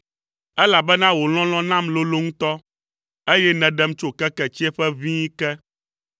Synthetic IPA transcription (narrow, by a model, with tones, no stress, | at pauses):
ɛ˦la˨bɛ˦nã˦wo˨l̃ɔ̃˦l̃ɔ̃˦nã˦mlo˦lo˦ŋũ˦t̪ɔ˦ | e˦jɛ˦nɛ̃˨ɖɛ˦m˦t͡ʃo˦kɛ˦kɛ˨t͡ɕi˦ɛ˦ɸɛ˦vĩ˦kɛ˦